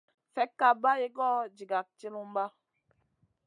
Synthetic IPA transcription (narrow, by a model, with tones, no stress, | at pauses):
fɛ˨˦kːa˨ba˦je˦ɡɔ˦˨d͡ʒi˨ɡa˨k̚t͡ʃi˦mu˦m˦ba˦